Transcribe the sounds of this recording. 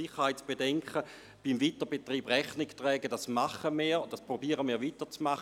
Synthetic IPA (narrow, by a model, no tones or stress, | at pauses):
iχəhaɪtt͡sb̥edɛŋkχə | b̥imvitəbetʁiːbʁɛχnɪktʁɛːɡəd̥asmaχəmiːd̥aspʁobiːəʁəmiːɐʋitət͡smaχ